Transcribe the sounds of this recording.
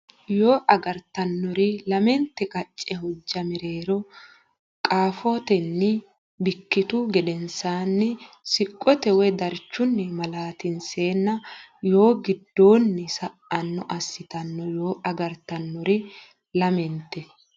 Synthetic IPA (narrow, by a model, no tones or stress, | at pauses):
joːʔɐɡɐɾt̪ɐnːɔɾɪlɐmɛnt̪ːɛkʼɐt͡ʃʼːɛɦɔd͡ʒːɐmɪɾe̞ːɾɔ | kʼaːfot̪ɛnːɪ | bɪkːɪt̪ʊɡɛd̪ɛnsaːnːɪ | sɪkʼːɔt̪ɛwɛd̪ɐɾt͡ʃːʊnːɛmɐlaːt̪ɪnse̞ːnːɐjo̞ːɡɪd̪ːo̞ːnːɪsɐʔɐnːɔʔɐsːɪt̪ɐnːɔjo̞ːʔɐɡɐɾt̪ɐnːɔɾɪ | lɐmɛnt̪ːɛ